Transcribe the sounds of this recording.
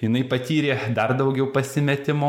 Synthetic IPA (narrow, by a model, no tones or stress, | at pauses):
jɪnɐɪpɐt̪ʲiːɾʲeːd̪ɐrd̪ɐʊɡʲɛʊpɐsʲɪmʲɛt̪ʲɪmoː